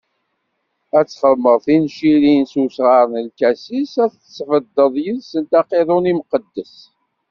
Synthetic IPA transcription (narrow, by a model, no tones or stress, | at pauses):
æt͡sːχəðməʁˤθinʃilinsusʁəɾˤnəlkæsisæθət͡sːfəd̪ːəðˤjəðsənt̪ɑqeðˤʊnimqəd̪ːəs